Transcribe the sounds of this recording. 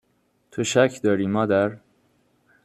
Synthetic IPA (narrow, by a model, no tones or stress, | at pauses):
t̪ʰoʃæcʰd̪ɒːɾiːmɒːd̪æɾ